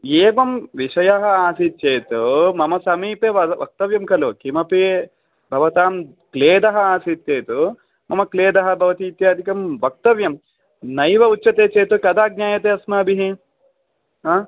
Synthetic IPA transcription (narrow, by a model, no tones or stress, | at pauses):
eːʋɐmʋiʂɐjɐɦɐ̆aːsit̪̚t͡ʃeːt̪umɐmɐsɐmiːpeːʋɐʋɐ̰k̚t̪ɐʋjɐmkɐlukimɐpe | bʱɐʋɐt̪aːm | kleːd̪ɐɦɐ̆aːsit̪jeːt̪u | mɐmɐkleːd̪ɐɦɐ̆bʱɐʋɐt̪iːt̪jaːd̪ʱikɐmʋɐk̚t̪ɐʋjɐm | nɐjʋɐutːt͡ʃɐt̪eːt͡ʃeːt̪ukɐd̪aːɡ̚ɲaːjɐt̪eːɐsmɐɐbʱiɦi | ɦaː